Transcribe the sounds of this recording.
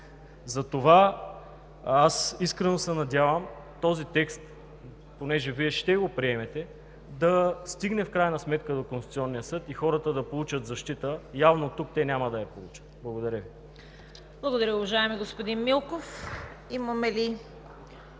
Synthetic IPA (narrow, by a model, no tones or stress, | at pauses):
zɐt̪ova | asiskɾɛnosɛnɐd̪ʲjavəm | t̪ɔzit̪ɛkst̪ | ponɛʒɛviɛʃt̪ɛɡopɾiɛmɛt̪ɛ | d̪ɐst̪iɡnɛfkɾajənɐsmɛt̪kəd̪okonsu̥t̪siɔnːijəsɤt̪ixɔɾət̪əd̪ɐpolˠut͡ʃət̪zɐʃt̪it̪əjavnot̪uk̚t̪ɛnʲamɐd̪ɐjɐpolˠut͡ʃə̥t̪̚blˠɐɡod̪ɐɾʲjəvi | b̥lˠɐɡod̪ɐɾʲəʊvɐʒaɛmiɡospod̪inmilˠkof | imɐmɛli